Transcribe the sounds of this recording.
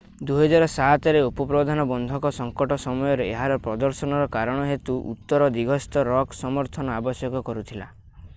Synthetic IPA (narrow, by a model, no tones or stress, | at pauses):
d̪uɦɔd͡ʒaɾɔsat̪ɔɾeupɔpɾɔd̪ʱanɔbɔnd̪ʱɔkɔsɔŋkɔʈɔsɔmɔjɔɾeeɦaɾɔpɾɔd̪ɔɾsɔnɔɾɔkaɾɔɽ̃ɔɦet̪uʔṵt̪ːɔɾɔd̪iɡʱɔst̪ɔɾɔksɔmɔɾt̪ʰɔnɔabɔsjɔkɔkɔɾut̪ʰila